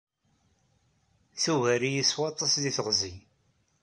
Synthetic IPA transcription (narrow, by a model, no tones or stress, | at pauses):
θuɣæɾijiswɑt̪ˤːɑsðiθəʁzi